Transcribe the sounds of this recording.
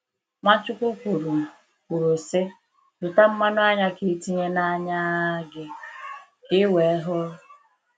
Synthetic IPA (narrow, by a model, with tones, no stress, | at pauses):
ma˦t͡ʃʊ˦kʷu˦kʷu˨ɾu˨ | kʷu˨ɾu˨sɪ˦ | dʊ˨ta˦m̩˦ma˦nʊ˦a˦ɲa˦kɪ˨˦ti˦ɲe˦na˦ɲa˦ɡɪ˦ | kɪ˦we˨˦ɦʊ˦